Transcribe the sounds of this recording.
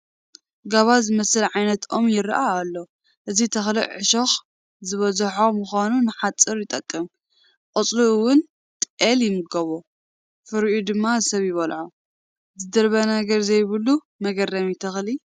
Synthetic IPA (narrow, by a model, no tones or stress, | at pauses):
ɡaβazɨmɐsɨlʕajnɐt̪ʰʔo̞mjɪɾʔaːlːo | ʔɨzit̪ʰɐxlḭʕɨʃox | zɨβɐzħo̞mʊxanunɨħat͡sʼːɨɾjɪt̪ʼɐkʼːɐm | qʼɨt͡sʼluwʊn | t̪ʼʔeljɪmɨɡɐβo | fɨɾʔud̪ɨmːasɐβjɪβɐlʕo | zɨd̪ɐɾβɐnaɡɐɾzɐjβɨlːu | mɐɡɐrɐmit̪ʰɐxli